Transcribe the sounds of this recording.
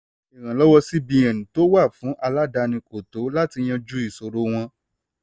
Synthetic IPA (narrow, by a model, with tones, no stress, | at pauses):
i˨ɾ̃ã˨lɔ˦wɔ˧si˦bĩ˧ɛ̃˨nĩ˨to˦wa˦˨fũ˨˦ʔa˧la˦da˧nĩ˧ko˨to˨˦la˦ti˧j̃ã˧d͡ʒu˦i˦˨so˨ɾo˦w̃ɔ̃˧